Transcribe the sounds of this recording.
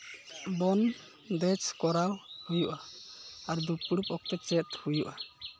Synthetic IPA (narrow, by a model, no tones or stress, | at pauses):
bɔn | d̪ɛt͡ʃkɔɾawhujuʔaaɾd̪upɽupɔk̚t̪ɛt͡ʃɛt̪hujuʔa